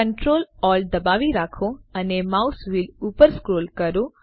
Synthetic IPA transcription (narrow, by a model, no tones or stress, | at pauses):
əɳʈɾoːlɔld̪əbaʋiɾakʰoənemawsʋilupəɾskɾoːlkəɾo